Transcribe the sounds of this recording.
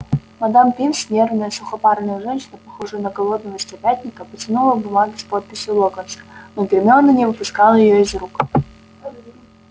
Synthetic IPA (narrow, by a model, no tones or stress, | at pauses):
mɐd̪ampʲinsnʲe̞rvnəjəsʊxɐparnəjəʐɛnʲɕɪnəpɐxoʐɨjənəɡɐlˠo̞d̪nəvəsʲtʲɪpʲæt̪ʲnʲɪkəpət͡sʲɪnulˠəbʊmaɡʲɪspot̪̚pʲɪsʲjʊlˠoɡənsə̥noɡɾʲɪmʲonːənʲɪvɨpʊskɑlˠəjɪjoɪzruk